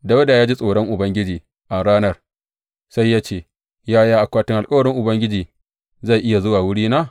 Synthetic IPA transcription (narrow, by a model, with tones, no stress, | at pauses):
da˦wda˨jaː˦d͡ʒi˦sʼoː˨ɽɐ˦ŋʔʊ˨bɐ˦ŋɡʲɪ˦d͡ʒiː˨ | ʔa˨ɽaː˦nɐ˦r | sa˦jːaː˦t͡ʃeː˦˨ | jaː˦jaː˦ʔa˨kʷaː˦tɪ˦ŋʔa˨lkʼɐ˦wɐ˨ɽɪ˦ŋʔʊ˨bɐ˦ŋɡʲɪ˦d͡ʒiː˨ | za˦˨ʔɪ˦ja˨zʊ˦waː˨wʊ˦ɽiː˦naː˦